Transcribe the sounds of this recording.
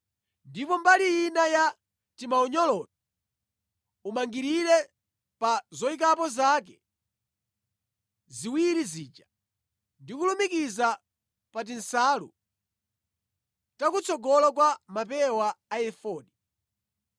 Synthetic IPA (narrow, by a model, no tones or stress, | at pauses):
ndipɔmbalijinaja | timaɔɲɔlɔtɔ | umaŋɡiɾiɾɛ | pazɔik̬apɔzaːkɛ | ziwiɾiziːt͡ʃa | ndikulumikiza | pat̬insaːlṵ | takut͡sʰɔɡɔlɔkwamapɛwaːjɛfɔːɗi